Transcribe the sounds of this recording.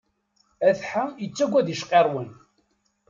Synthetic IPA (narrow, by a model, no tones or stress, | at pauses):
æθħamjət͡sːæɡʷːæðiʃqeɾˤwən